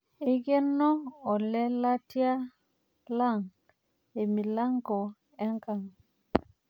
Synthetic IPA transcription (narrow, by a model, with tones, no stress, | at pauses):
e˦ɡe˦nːɔ˦ɔ˨lɛ˦la˦ti˦a˦ | la˦˨ŋ | e˨mi˨la˦ŋko˨ | ɛ˦ŋka˨ŋ